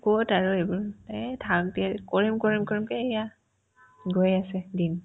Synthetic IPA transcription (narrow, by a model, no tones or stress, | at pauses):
kotaɹʊejbɔɹtatʰak̚tiakoɹimkoɹimkɔɹimkɔeja | ɡojasɛdin